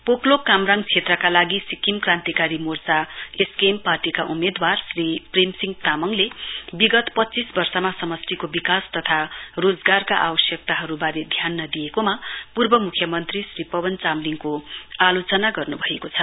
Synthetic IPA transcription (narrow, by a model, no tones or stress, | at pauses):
poklokːamraŋt͡sʰet̪rʌkalaɡisikimkrãnt̪ikaɾimort͡saeskemparʈikaʔumed̪warsriprimsiŋt̪amʌŋlebiɡʌt̪pʌt̪ːt͡sisbʌrsʌmasʌmʌst̪ʰikobikast̪ʌt̪ʰarod͡zɡarkaʔa̰bʌsjʌk̚t̪aɦʌɾubaɾed̪ʱjanːʌd̪ijekomapurbʌmukʰjʌmʌnt̪risripʌwʌnt͡samliŋkoalot͡sʌnaɡʌrnubʱʌekot͡sʰʌ